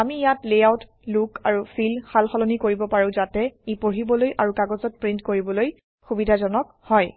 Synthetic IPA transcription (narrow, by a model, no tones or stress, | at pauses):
amijatleawt | lukaɹufʰilxalxɔlonikoɹibɔpaɹʊ̃zatɛipoɹibɔlojʔaɹukaɡɔzɔt̚pɹintkoɹibɔloj | xubidʱazɔnɔk | hɔj